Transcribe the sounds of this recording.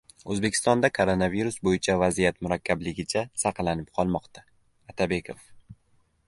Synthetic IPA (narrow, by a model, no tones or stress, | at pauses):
ɵzbe̞kʰʲɪ̥st̪ɒnd̪akʰoɾonaviɾusbojɪt͡ʃʰavazijat̪mʊɾakʲʰːablɪɡʲɪt͡ʃʰasɑqlanɪp̚qʰɒlˠmɒqt̪ʰa | at̪ʰabe̞kʰof